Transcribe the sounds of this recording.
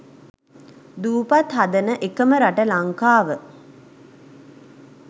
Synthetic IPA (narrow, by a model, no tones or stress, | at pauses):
d̪uːpat̪ɦad̪ənəʔekəməɾaʈəlaŋkaːʋə